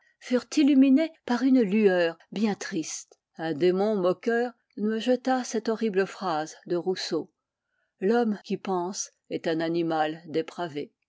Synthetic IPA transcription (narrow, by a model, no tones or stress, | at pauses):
fyʁt̪ilyminepaʁynlyœʁbjɛ̃t̪χist̪ | ɛ̃d̪emɔ̃mɔkʲœʁ | nəʒət̪asɛt̪ɔʁibləfχazd̪əʁuso | lɔmkʲipɑ̃s | ɛt̪ɛ̃nanimald̪epχave